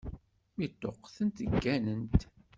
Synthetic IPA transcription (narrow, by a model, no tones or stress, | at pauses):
mit̪ːoqːθənt̪əɡːænənt̪